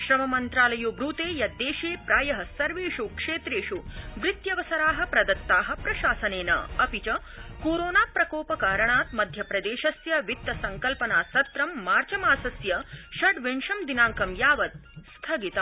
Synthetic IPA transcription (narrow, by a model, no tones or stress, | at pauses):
ʃɾɐmɐmɐnt̪ɾaːlɐjuːbɾuːt̪eːjɐd̪eːʂeːpɾaːjɐɦɐsɐɾʋeːʂukʂeːt̪ɾeːʂuʋɾit̪jɐʋɐsɐɾaːɦɐ̆pɾɐd̪ɐt̪ːaːɦɐ̆pɾɐʃaːsɐneːnɐ̰ɐpit͡ʃɐ | koːɾoːnaːpɾɐkoːpɐkaːɾɐɳaːt̪mɐd̪ʱjɐpɾɐd̪eːʃɐsjɐʋit̪ːɐsɐŋkɐlpɐnaːsɐt̪ɾɐmːaːɾt͡ʃɐmaːsɐsjɐʃɐɖʋeɳʂɐmd̪inaːŋkɐmjaːʋɐt̪̚st̪ʰɐɡit̪ɐ